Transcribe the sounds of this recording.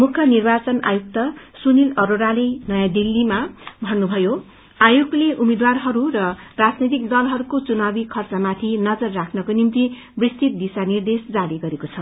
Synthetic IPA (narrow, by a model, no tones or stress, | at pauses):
mukʰjʌnirbat͡sʌna̰juk̚t̪ʌsunilʌɾoɾalenʌjãd̪ilːimabʱʌnːubʱʌjo | ajuɡleʔumed̪warɦʌɾurʌrad͡znet̪̬ikd̪ʌlɦʌɾukot͡sunabikʰʌrt͡sʌmat̪ʰinʌd͡zʌrːakʰnʌkonimt̪i | brist̪it̪̚d̪isanird̪esd͡zaɾiɡʌɾekot͡sʰʌ